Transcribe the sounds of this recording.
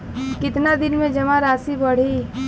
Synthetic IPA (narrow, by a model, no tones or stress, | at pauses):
kɪt̪nad̪ɪnmẽd͡ʒɐmaɾaːsibɐɽ̤i